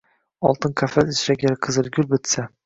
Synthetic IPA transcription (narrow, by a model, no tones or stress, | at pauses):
ɒ̰lˠt̪ʰɨnkʲʰafat̪ɪsɾaɡʲaɾqʰɨzɨɾɡʲʊlbɪt̪sa